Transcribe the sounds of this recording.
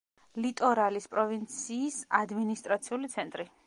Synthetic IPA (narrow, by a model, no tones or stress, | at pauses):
lit̪ʼɔɾalispʼɾɔvint̪sʰiːsad̪minist̪ʼɾat̪sʰiulit̪sʰɛnt̪ʼɾi